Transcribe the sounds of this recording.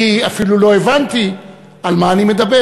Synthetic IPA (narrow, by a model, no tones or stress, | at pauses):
iafilulo̞evant̪i | almaːnime̞d̪abe